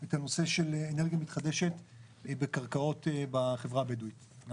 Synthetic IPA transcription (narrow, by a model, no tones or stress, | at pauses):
et̪ano̞seʃeleeneʁɡijamit̪χad̪eʃe̞t | bekaʁkao̞tebaχevʁabeduit̪